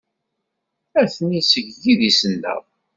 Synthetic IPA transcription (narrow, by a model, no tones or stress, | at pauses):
æθənisəʝjiðisənːə̰ʁ